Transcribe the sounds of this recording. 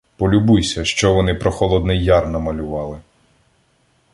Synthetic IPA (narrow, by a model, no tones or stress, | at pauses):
pɔlʲʊbujsʲɐʃt͡ʃɔʋɔnɪpɾɔxɔlˠɔd̪nɛjːɑrnɐmɐlʲʊʋɑlˠɪ